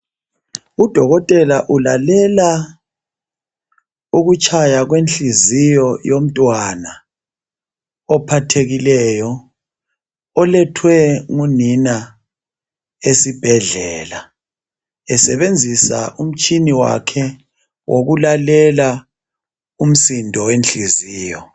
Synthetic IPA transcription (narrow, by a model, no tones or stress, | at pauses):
ud̥ʱɔɣɔtʼɛlaʔulalɛla | uɣut͡ʃʼʰajaɣwenɬizijɔjom̩tʼwana | ɔpʰatʰeɣilɛjɔ | ɔlɛtʰwɛŋunina | esib̥ʱɛɮɛːla | ɛsɛβend͡zʱisa̰ʔum̩t͡ʃʼiniwa̰kʰɛ | wʔoɣulalɛla | um̩sindʱɔwenɬiziːjɔ